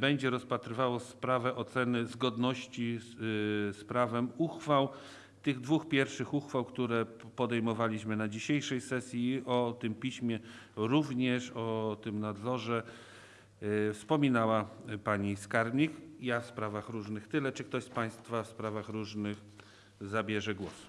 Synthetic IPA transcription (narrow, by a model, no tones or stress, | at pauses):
bɛɲd͡ʑɛɾɔspat̪ɾɘvawɔspɾavɛʔɔt̪sɛnɘzɡɔd̪nɔɕt͡ɕi | spɾavɛmuxfaw | t̪ɘɣd̪vuxpʲjɛɾfʂɘxuxfawkt̪uɾɛ | pɔd̪ɛjmɔvalʲiɕmɘnad͡ʑiɕejʂɛjsɛsʲjiʔɔt̪ɘmpʲiɕmʲjɛɾuvɲɛʂɔt̪ɘmnad̪zɔʐɛ | fspɔmʲinawapaɲiskaɾmʲɲikjafspɾavaxɾuʐnɘxt̪ɘlɛt͡ʂɘkt̪ɔɕspaj̃st̪fafspɾavaxɾuʐnɘx | zabʲjɛʐɛɡwɔs